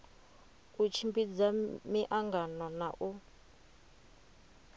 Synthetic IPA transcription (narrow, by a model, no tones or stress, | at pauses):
ut͡ʃʰimbid͡zamiʔaŋɡanɔnaʔu